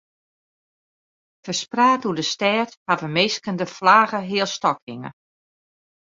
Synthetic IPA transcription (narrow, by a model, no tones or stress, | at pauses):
fəspraːtuədəstɛːthavəmeskəndəflaːɣəɦɪːəlˠstɔkɪŋə̰